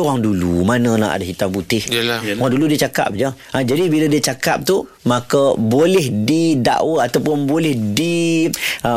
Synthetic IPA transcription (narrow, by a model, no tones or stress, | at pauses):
oɣaŋdulṵmanə̃na̰ʔa̰daɦit̪aŋbut̪ɪhaŋduludiət͡ʃaka̰p̚d͡ʒə | ad͡ʒadibiladiət͡ʃaka̰p̚t̪u | mãkəbolɛhdida̰ʔwəat̪awpʊnbolɛhdi